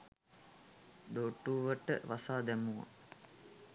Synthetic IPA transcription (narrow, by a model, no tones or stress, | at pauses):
d̪oːʈːuːʋəʈə̰ʋasaːd̪æmuʋa̰